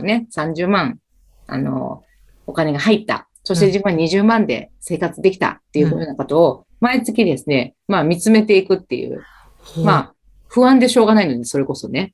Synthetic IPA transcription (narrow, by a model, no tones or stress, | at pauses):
ne̞sãɲ̟d͡ʑɨːmãŋ̃ | a̰no̞̰ | o̞kane̞ɡaɦait̪ːa̰ | so̞ɕit̪eʑɨːmãɲ̟iʑɨːmãnd̪e̞̰se̞ːkat͡sɨd̪e̞kʲi̥t̪a̰t̪ːe̞jɯ̟joːnako̞t̪o̞ː | mait͡sɨkʲid̪e̞sɨne̞ | maːmʲit͡sɨme̞t̪e̞ikɯ̟t̪ːe̞̰jɯ̰ː | maː | ɸɯ̟βãnd̪e̞ɕo̞ːɡanaino̞d̪iso̞ɾe̞ko̞so̞ne̞